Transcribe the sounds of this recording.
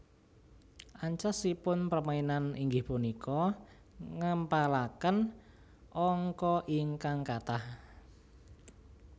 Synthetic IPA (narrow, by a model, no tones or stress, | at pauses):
ʔaɲt͡ʃasipʊnpərmainaniŋɡɪhpunikɔ | ŋəmpalakən | ʔɔŋkɔʔɪŋkaŋkat̪ah